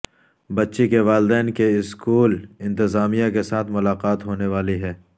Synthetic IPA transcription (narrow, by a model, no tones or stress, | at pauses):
bɐtːʃekeʋaːld̪ɛːnkeɪskuːlɪ̃nt̪ɪzaːmijãkesaːt̪ʰmʊlaːqaːt̪ɦoːneʋaːliɦɛː